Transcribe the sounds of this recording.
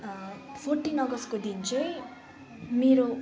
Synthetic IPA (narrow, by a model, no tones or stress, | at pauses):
pʰorʈinʌɡʌskod̪int͡sʰʌj | meɾo